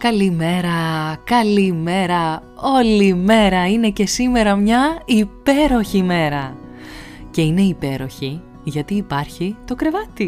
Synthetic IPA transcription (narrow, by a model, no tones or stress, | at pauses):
kɐlime̞ɾɐkɐlime̞ɾɐo̞lime̞ɾɐine̞ce̞sime̞ɾɐmɲɐipe̞ɾo̞çime̞ɾɐ | ce̞ine̞ipe̞ɾo̞çi | ʝɐt̪iːpɐɾçit̪o̞kɾe̞vɐt̪i